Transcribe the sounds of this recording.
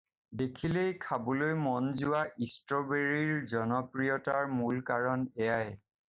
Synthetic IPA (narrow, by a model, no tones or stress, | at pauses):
dekʰilejkʰabɔlojmɔnzuwaʔistɹɔbeɹiɹzɔnɔpɹijɔtaɹmulkaɹɔnɛjaj